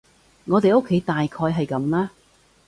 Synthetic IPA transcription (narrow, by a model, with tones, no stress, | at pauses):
ŋɔː˨˧t̪e˨jo˥kʰːe˨˥jt̪aː˨jkʰɔː˧jɦɐ˨jkɐ˨˦mlɛː˥